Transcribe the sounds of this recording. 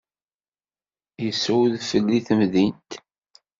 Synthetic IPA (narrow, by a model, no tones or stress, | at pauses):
jəsːwðfəlːiθəmðint̪